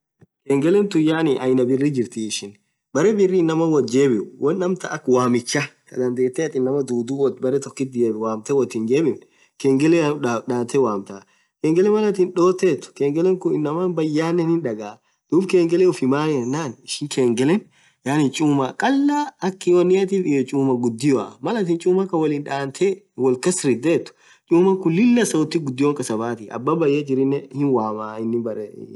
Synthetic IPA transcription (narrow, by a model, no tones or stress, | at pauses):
keːŋɡɛlɛnt̪ʊjaːnɪʔɐjnɐbɪrːɪd͡ʒɪɾt̪iɪʃɪn | bɐɾɛbɪrːɪːnːɐmɐnwɔd͡ʒe̞ːbɪʊwɐnːɐmt̪ɐʔɐkːwaːmɪt͡ʃːɐkɐ̰d̪ɐnd̪e̞ːt̪ːɛɐt̪ʼɪnːɐmɐd̪uːd̪uːwɔbɐɾɛt̪ɔkːɪt̪̚ːɪjeːbwaːmt̪ɛwɔt̪ːɪnd͡ʒeːbɪm | keːŋɡɛlɛᶑaːt̪ːɛwaːmt̪a | keːŋɡɛlɛmɐlɐt̪ɪnᶑo̞ːt̪ːeːt̪ːʊ̥keːŋɡɛlɛŋkʊɪnːɐmɐnbɐjːaːnːɛnhɪnᶑɐɡaː | d̪̥uːbkeːŋɡɛlɛʊfɪmaːjɛnːaːnɪʃɪŋkeːŋɡɛlɛn | jaːnɪnt͡ʃʼuːmakʼɐlːaːɐkːɪwɐnːɪjɐt̪iːfɪjɔt͡ʃʼuːmɐɡʊd̪ːɪjoamɐlɐt̪ɪːnt͡ʃʼuːmɐkɐwɐlɪnᶑaːnt̪ʰɛ | wɔlkɐsɾɪd̪eːt̪ːʊ̥ | t͡ʃʼuːmɐŋkʊlɪlːɐsɐt̪ːɪɡʊd̪ːɪjwɔŋkʼɐsɐbaːt̪ɪɐ̰bːɐbɐjːɐd͡ʒɪɾɪnːɛhɪnwaːmaːɪnːɪbɐɾɛ̰